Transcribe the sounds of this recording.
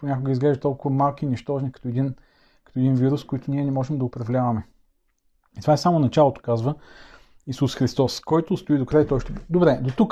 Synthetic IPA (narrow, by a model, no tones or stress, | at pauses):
ponʲakoɡəizɡlɛʒət̪ɔlˠkʊvɐmalˠkiniʃt̪ɔʒnikɐ̥t̪oɛd̪in | kɐ̥t̪oɛd̪inviɾʊskojt̪ʊnʲiɛnɛmɔʒɛmd̪ɐʊpɾɐvlʲavɐmɛ | it̪ovaɛsamonɐt͡ʃalˠot̪o̥kazvə | isusxɾist̪ɔskɔjt̪ost̪oid̪okɾajt̪ɔjʃt̪ɛbd̪obɾɛd̪ot̪uk